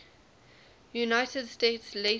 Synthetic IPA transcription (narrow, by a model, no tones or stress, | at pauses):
junaɪtədsteɪtsle